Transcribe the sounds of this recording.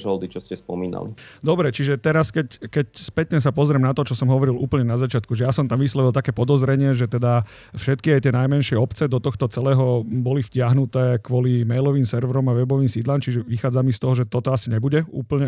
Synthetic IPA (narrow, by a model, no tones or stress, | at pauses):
ʒɔld̪it͡ʃɔscɛspɔmiːna̰lḭd̪ɔbɾɛt͡ʃiʒɛt̪ɛɾaskɛckɛcspɛt̪ɲɛs̬apɔzɾɛmnat̪ɔt͡ʃɔsɔmɦɔʋɔɾilʔṵːpl̩ɲɛnazat͡ʃɪat̪kuʒɛjasɔmt̪amʋislɔʋilˠt̪akɛːpɔd̪ɔzɾɛɲɪɛʒɛt̪ɛd̪a | fʃɛt̪kiajt̪ɪɛnajmɛnʃɪɛɔpt͡sɛd̪ɔt̪ɔxt̪ɔt͡sɛlɛːɦɔbɔlifcɪaɦnut̪ɛːkʋɔlimɛjlɔʋiːmsɛɾʋɾɔmaʋɛbɔʋiːmsiːd̪laːmt͡ʃiʒɛʋixaːd͡zamist̪ɔɦɔʒɛt̪ɔt̪ɔasiɲɛbuɟɛṵːpl̩ɲɛ